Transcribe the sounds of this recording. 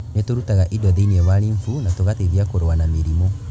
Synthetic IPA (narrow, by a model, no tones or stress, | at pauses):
netoɾutaɣaʔidɔðeiniɛwaɾiɱfunatoɣateðiakoɾwanameɾimo